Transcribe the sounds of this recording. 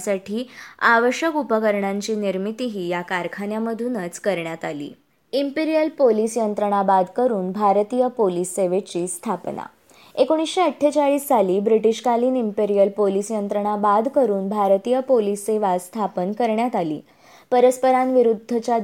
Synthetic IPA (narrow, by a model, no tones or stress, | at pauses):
saʈʰiːaʋəɕjəkupəkəɾɳaɲt͡ɕiːniɾmit̪iɦiːjakaɾkʰanjaməd̪ʱunət͡skəɾɳjat̪alḭː | impiɾijəlpolisjənt̪ɾəɳ̃abad̪kəɾuːnbʱaɾt̪ijəpolisːeʋet͡ɕiːst̪ʰapna̰ | ekoɽ̃isɕeəʈʰːjet͡ɕaɭiːsːaliːbɾiʈiɕkaliːnimpeɾijəlpolisjənt̪ɾəɳ̃abad̪ʱkəɾuːnbʱaɾt̪ijəpolisːeʋast̪ʰapənkəɾɳjat̪alḭː | pəɾəspəɾanʋiɾud̪ʱːət͡ɕa